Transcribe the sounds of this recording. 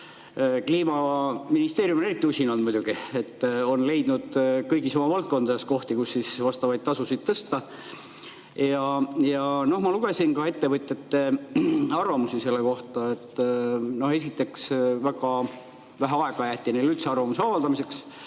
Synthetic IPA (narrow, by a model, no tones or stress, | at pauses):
kliːmɑminist̪e̞ːɾjumonerik̚t̪ːiusʲinɑnd̪mujd̪uɡ̥iet̪ːo̞nle̞jd̪̥nud̪̥kɤjɡiso̞mɑvɑlt̪̚ko̞nd̪ɑesko̞ht̪ikusːisvɑst̪ɑvɑjd̪̚t̪ɑsusid̪̥̚t̪ɤst̪ɑ | jɑjɑno̞hmɑluɡ̥e̞sinkɑe̞t̪ːe̞vɤt̪ʲːˑjɑt̪ːe | ɑrvɑmusiselːeko̞ht̪ɑet̪ːˑno̞he̞s̬it̪ːe̞ksvæɡ̥ɑ | væɦæɑe̞ɡ̥ɑjæht̪inelylt̪seɑrvɑmuseɑvɑld̪̥ɑmise̞ks